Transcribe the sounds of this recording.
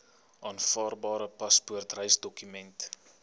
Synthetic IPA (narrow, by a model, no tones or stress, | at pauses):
ʔɑːnfɑːrbɑːɾəpɐspuərtrəjsdɔkymɛnt